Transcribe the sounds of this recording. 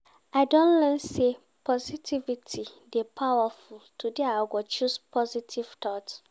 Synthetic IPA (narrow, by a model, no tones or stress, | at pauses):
aɪdɔ̃nlɛ̃nse | pʰɔzitʰivitʰidepʰawafultʰudiaɡʷɔt͡ʃuspʰɔzitʰiv̥tʰɔt